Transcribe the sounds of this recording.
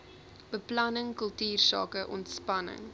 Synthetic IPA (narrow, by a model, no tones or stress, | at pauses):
b̥əplɐnəŋkəlˠtyːrsɑ̰ːkəʔɔntspɐnə̰ŋ